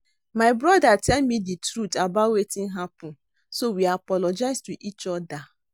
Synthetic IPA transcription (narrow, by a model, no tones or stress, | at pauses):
maɪbɾɔdatʰɛlmiditɾutabawetɪ̃n̩ɦapʊ̃n̩ | sowiapɔlɔd͡ʒaɪstuʔit͡ʃɔda